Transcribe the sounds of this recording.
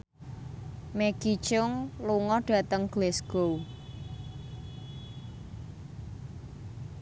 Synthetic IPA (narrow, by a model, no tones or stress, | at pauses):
meɡ̥it͡ʃʊŋluŋɔɖ̥a̤t̪əŋɡ̥lɛsɡ̥ow